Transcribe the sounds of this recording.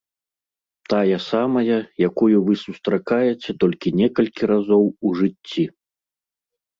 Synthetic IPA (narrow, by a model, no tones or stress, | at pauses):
t̪ajɐsamɐjɐjakujuvɨsust̪ɾakajɛt͡sʲɛt̪ɔlʲkʲinʲɛkɐlʲkʲiɾazɔwuʐɨtʲːi